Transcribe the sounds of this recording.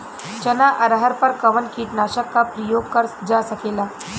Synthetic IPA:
t͡ʃɐnaʔɐɾɦəɾpəɾkɐʋənkʰiːʈnaːʃəkːapɾəjoːɡ̚kəɾd͡ʒasɐkeːlaː

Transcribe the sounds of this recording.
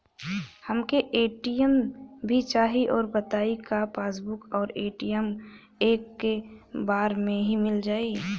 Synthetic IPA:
həmkeʔeːʈijəmbʱit͡ʃaːɦiʔɔːɾbət̪aːikapʰaːs̬bʊkɔːɾeːʈijəm | eːkːebaːɾmẽɦimɪld͡ʒaːi

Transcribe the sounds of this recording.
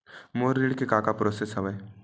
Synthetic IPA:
moːɾeɽkekaːkapɾoːsesɦɐʋəː

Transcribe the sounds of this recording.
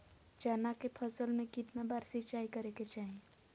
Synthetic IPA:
t͡ʃaːnakepʰəsəlmẽkɪt̪nabaːɾsɪt͡ʃaːikəɾeket͡ʃaːɦie

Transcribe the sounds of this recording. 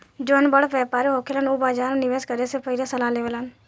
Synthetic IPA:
d͡ʒoːnbəɽʋɛːpaːɾeɦoːkʰelənoːbaːd͡ʒaːɾnɪʋeːskəɾesepʰəɪlasəlaːleːʋəlan

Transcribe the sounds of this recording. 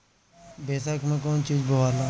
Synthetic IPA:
beːsaːkmɛ̃ːkoːnt͡ʃiːd͡ʒbəʋaːɾlãː

